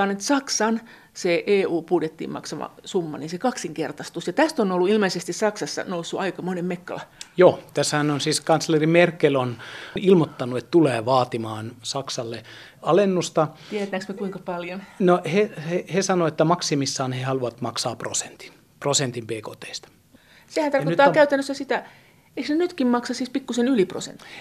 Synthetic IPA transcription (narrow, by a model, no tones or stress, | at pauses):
ɑnːet̪sɑksɑn | seʔeːuːpuːtet̪ːḭːmmɑ̰ksɑmɑ̰sumːɑ̰ninsekɑksiŋkert̪ɑst̪usjɑt̪æst̪onolːuilmeisest̪issɑksɑsːɑ̰nousːuʔɑikɑmonemmekːɑ̰lɑjoːt̪æshænonsiːskɑnslerimerkːelonilmot̪ːɑnuet̪t̪uleːʋɑːt̪imɑːnsɑksɑlːe | ɑlenːust̪ɑt̪ieɾæt̪næksmekuiŋkɑpɑljonnohehehesɑnoet̪ːæmɑksimisːɑːnhehɑluʋɑt̪mɑksɑːprose̥nt̪i̥n | prosent̪impeːko̰ːt̪eist̪ɑ̥ | sehænt̪ɑrot̪ːˑɑːkæyt̪ænːøsːæsit̪æ | eiknenyt̪kimmɑksɑsiːspikːusenylipro̰sḛnt̪ːi̥